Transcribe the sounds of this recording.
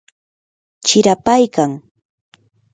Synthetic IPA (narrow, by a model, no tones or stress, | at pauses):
t͡ʃɪɾapajkaŋ